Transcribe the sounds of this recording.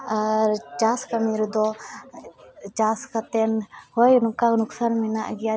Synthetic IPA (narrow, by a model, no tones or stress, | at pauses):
aɾt͡ʃaskamiɾd̪ɔ | t͡ʃaskat̪ɛnhɔjnkanuksanmɛnaʔɡɛja